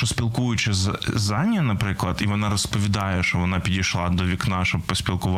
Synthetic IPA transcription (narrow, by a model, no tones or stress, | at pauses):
ɔsʲpʲɪlˠkujʊt͡ʃɛzzanʲjɐnɐpɾɪklˠɐt̪iʋɔnaɾɐspəʋʲɪd̪ɑjɛʃtɔʋɔnapʲɪdʲɪjʃlˠad̪ɔʋʲɪknaʃɔbpɔsʲpʲɪlˠkʊʋ